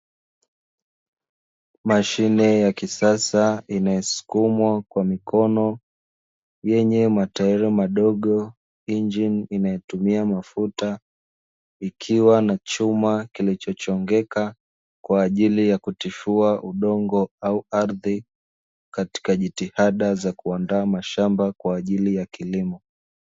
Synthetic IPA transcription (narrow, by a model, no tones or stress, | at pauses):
maʃinɛjakisasainajɔsu̥kumwakwamikʰɔnɔ | jɛɲɛmataɛɾɛmaɗɔɠɔ | ind͡ʒininajɛtumiamafuta | ikʰiwanat͡ʃumakilit͡ʃɔt͡ʃɔŋɡɛka | kwaːʄilijakutifuaʔuɗɔŋɡɔauaɾði | kati̥kaʄitihaɗazakuandaːmaʃambakwaːʄilijakilimɔ